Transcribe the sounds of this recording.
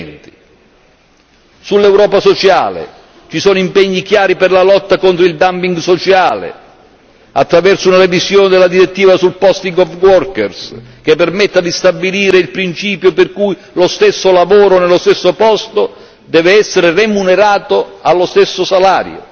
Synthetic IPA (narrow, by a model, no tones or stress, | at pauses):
nt̪i | sulːɛwɾɔːpasot͡ʃa̰ːlɪ̰ | t͡ʃisɔːnoʊimpɛɲːik̟jaːɾipɪrlalɔt̪ːakont̪ɾoild̪ampiŋɡsot͡ʃaːlɪ̰ | at̪ːɾavɛrsʊunaɾevisjɔːnɪd̪elːad̪iɾet̪ːiːvasulpɔst̪iŋɡɔvɡwɔrkɛrsk̟epːermɛt̪ːad̪ist̪abiliːɾeilpɾint͡ʃiːpjoperkuj | lost̪esːolavɔːɾonelːost̪ɛsːopɔst̪o | d̪ɛːvɪɛsːeɾɪremuneɾaːt̪oalːost̪ɛsːosalaːɾj̰o̰